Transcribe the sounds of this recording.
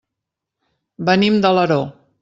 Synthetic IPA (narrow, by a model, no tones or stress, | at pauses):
bənimd̪ələɾo